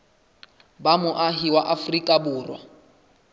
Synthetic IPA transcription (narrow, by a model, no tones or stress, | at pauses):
bamʊʔaɦiwaʔafrikʼabuːrwa̰